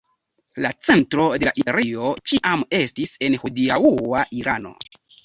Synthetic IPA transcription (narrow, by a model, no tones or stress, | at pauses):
lat͡se̞ntɾo̞de̞laʔieɾio̞t͡ʃiʔame̞stise̞nhudiauaʔiɾano̞̰